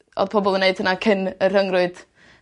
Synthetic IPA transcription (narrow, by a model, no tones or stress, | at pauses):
ɔ̰ðpʰɔbɔlˠəneɨd̥̚hənakʰɪnər̥əŋrʊɨd̥